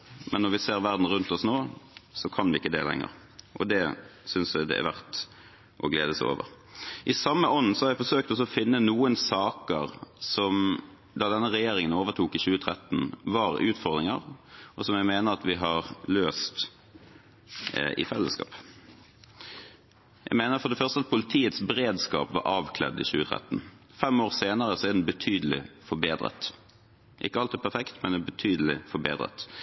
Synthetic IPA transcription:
mʔɛnːɔʁʋɪseːʁʋæʁd̪n̩ʁʉnt̪ɔsnoːsɔkʰɑnʋɪɪkːəd̪ɛ̰lɛ̰ŋːə̰ʁ | ʔɔ̰d̪ɛsʏnsæd̪ɛ̰æ̰ʋæʁt̪ | ʔɔɡleːd̪əso̰ːʋə̰ʁ | ʔɪsɑmːəʔɔnːsɔhɑɾʋæɪfɔsøːk̚t̪ɔs̬ɔɔfɪnːənuːənsɑːkəʁsɔm | d̪ɑd̪ɛnːəʁɛjeːɾɪŋənoːʋəʁt̪ʰuːkɪçʉːət̪ʰʁɛt̪ːn̩ʋɑɾʉːt̪fɔʁd̪ɾɪŋə̰ʁɔsɔmjæɪmeːnəʁɑt̪ʋɪɦɑʁløːst̪ | ɪ̰fɛlːəskɑ̰ːp | jæ̰ɪmeːnəʁfɔɾd̪ɛfœʁst̪əɑt̪̚pʰʊlɪt̪ʰiːət̪sbəɾeːd̪skɑ̰ːpʋɑ̰ɾʔɑːʋkʰlɛ̰d̪ɪ̰çʉːət̪ʰʁɛ̰t̪n̩ | fɛmoːʁseːnəɾəsɔɛd̪ɛnbət̪ʰyːd̪əlɪ̰fɔbeːd̪ɾə̰t̪ | ʔɪ̰kːəɑlt̪ɪːpʰæɾfɛkt̪mɛnɛbət̪ʰyːd̪əlɪ̰fɔbḛːd̪ʁə̰t̪

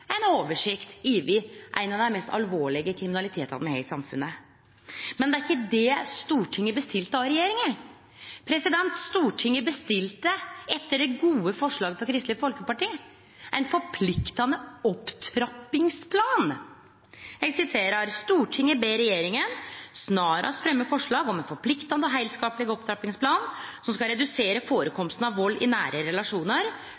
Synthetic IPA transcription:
æɪnoːʋəʂɪkt̪iːʋɪʔæ̰ɪnɑd̪ɛnmɛst̪ɑ̰lʋoːɭɪɡəkʰɾɪmɪnɑlɪt̪ʰeːt̪ɑ̰ʋ̪mɛhɛ̰ɪsɑmfʉ̰nə | mɛnd̪ɛæɾɪçːəd̪ɛst̪uːʈʰɪŋːəbəst̪ɪlt̪əɑɾɛjeːɾɪŋə | pʰɾɛsɪd̪ɛnt̪st̪uːʈʰɪŋːəbəst̪ɪlt̪əɛt̪ːəɖɛɡuːəfɔʂɭɑːɡəpʰɔkʰɾɪst̪ləfɔlkəpɑʈiːə | ʔæɪnfɔɾpʰlɪkt̪ɑnəɔpt̪ʰɾɑpːɪŋspʰlɑːn | jæɡsɪt̪ʰeːɾɑɾst̪uːʈʰɪŋəbeːɾɛjeːɾɪŋənsnɑːɾʔɑ̰sfɾɛmːəfɔʂɭɑːɡɔmɛɪnfɔɾpʰlɪkt̪ɑnd̪əɔɦæɪlskɑːplɪɡɔpt̪ʰɾɑpɪŋspʰlɑːnsɔmskɑɾɛd̪ʉseːɾəfoːɾəkʰɔmst̪nɑʋʋɔlːɪ̰næ̰ːɾʔəɾɛlɑʂuːnəɾ

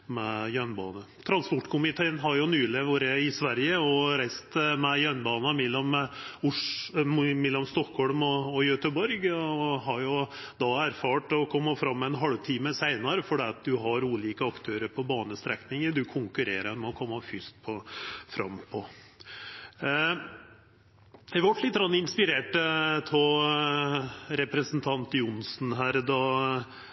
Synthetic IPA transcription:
mɛjœnbɑːnət̪ʰɾɑnspɔʈːkʰʊmɪt̪ʰeːnɦɑɾjʊnyːləʋoːɾəɪsʋæɾjəɔɾɛɪst̪mɛjœnbɑːnɑmɛlːɔmʊʂ | mɛlːɔmst̪ɔkhɔɭmɔɔjœt̪əbɔɾɡɔɦɑɾjʊd̪ɑæɾfɑːʈɔkʰɔmːɑfɾɑmːɛɛnɦɑlʋt̪ʰiːməsæɪnɑɾəfɔɖɛːɑt̪̚d̪ʉɦɑɾuːliːkəɑkt̪ʰøːɾəɾpʰɔbɑːnəst̪ɾɛknɪŋəd̪ʉkʰʊŋkʉɾeːɾəmɛɔkʰɔmːɑfʏst̪̚pʰɔfɾɑ̰mːpʰɔ | ɛʋɑʈlɪt̪̚ːɡɾɑnːɪnspɪɾeːʈəpʰɔ | ɾɛpɾəsnt̪ʰɑnt̪jʊnsnɦæːɾd̪ɑ

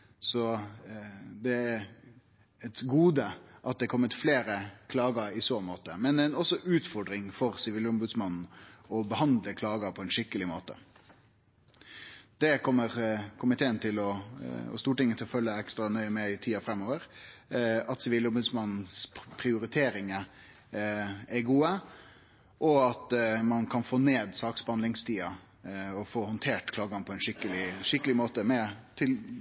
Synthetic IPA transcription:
sɔ | d̪ɛæɾ | ɛt̪ɡuːd̪əʔɑt̪̚d̪ɛkʰɔmːət̪fleːɾəkʰlɑːɡɑɪsoːmoːt̪əmɛnd̪ɛnɔsːɔʔʉːt̪fɔɖɾɪŋfɔɾsɪʋiːlʊmbʉd̪smɑnn̩ɔbəhɑnd̪ləkʰlɑːɡɑpʰɔɛnʂɪkːəlɪmoːt̪ə̰ | d̪ɛkʰɔmːəɾkʰʊmɪt̪ʰeːənt̪ʰɪlɔɔ̰st̪uːʈɪŋːət̪ʰɪlɔfœlːəɛkst̪ɾɑnœʏəmɛɪt̪ʰiːɑfɾɛmːoːʋəɾ | ɑt̪sʋɪlɔmʉsmɑnspʰɾɪʊɾɪt̪ʰeːɾɪŋə | ɛɡuːə | ʔɔɑt̪mɑnkʰɑnfoːneːd̪sɑːksbhɑnd̪ɪŋst̪ʰiːɑ | ɔfoːhʊnt̪ʰeːʈkʰlɑːɡɑnəpʰɔɛnʂɪkːəlɪʂɪkːəlɪmoːt̪əmɛt̪ʰɪl

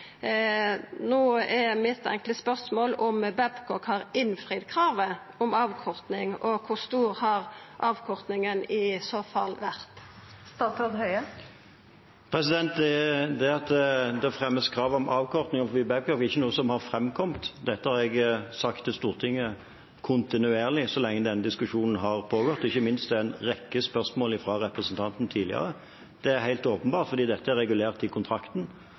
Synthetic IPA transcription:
noːɛmɪt̪ʰɛ̰ŋkləspœʁsmoːlɔmbɛbkʰɔkhɑɾɪnfɾiːd̪kʰʁɑːʋə | ɔmɑːʋkʰɔʁt̪nɪŋɔkʰʊst̪uːʁhɑʁʔɑːʋkʰɔʁt̪nɪŋənɪsoːfɑlːʋæɾt̪ | st̪ɑt̪ɑd̪hœʏə | pʰɾɛsɪd̪ɛnt̪̚d̪ɛd̪ɛɑt̪d̪ɛfɾɛmːəskʰɾɑːʋɔmɑːʋkʰɔʁt̪nɪŋɔfɔʋɪbæʋkʰɑfɪçːənuːəsɔmhɑɾfɾɛmkʰɔmt̪d̪ɛt̪ːəhɑɾɛɡsɑkt̪ɪst̪uːʁt̪ʰɪŋːə | kʰʊnt̪ɪnʉeːʁlɪsɔlɛŋːəd̪ɛnːəd̪ɪskʉʂuːnn̩ɦɑɾpʰoːɡɔʁt̪ːɪçːəmɪnst̪̚d̪ɛænʁɛkːəspœʁsmoːlɪfɾɑːɾɛpɾəsnt̪ʰɑnt̪nt̪ʰiːlɪ̰ə̰ɾə | d̪̥ɛæɾhæɪlt̪oːpənbɑːʁt̪fɔɾd̪iːd̪ɛt̪ːəæɾːɛɡʉleːʁt̪ɪkʰʊnt̪ʰɾɑkt̪n̩

